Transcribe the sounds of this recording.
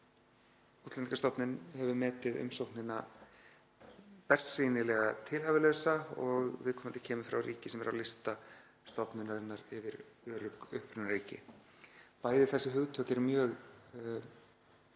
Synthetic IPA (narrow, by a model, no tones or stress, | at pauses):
ut̪lɛnkast̪ɔpnɪnhɛvʏmɛːt̪ɪðʏ̰msowknɪna | pɛr̥siːnɪlɛɣat̪ʰɪlhaːvɪlœɥsaɔɣvɪ̰ðkʰɔːmant̪ɪ̥cʰɛːmʏfɾa̰wriːcɪsɛmɛɾa̰wlɪst̪a | st̪ɔpnʏnaɾɛnːaɾɪvɪɾœːɾʏkʏhpɾʏnaɾiːcɪ̰ | paːjðɪθɛsːɪɦʏɣt̪ʰœːcɛɾmjœːɣ